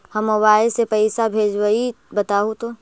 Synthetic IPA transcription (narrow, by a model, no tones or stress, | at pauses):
hɐmɐwaːesepɐɪsabʱeːd͡ʒwəi | bɐt̪aːut̪o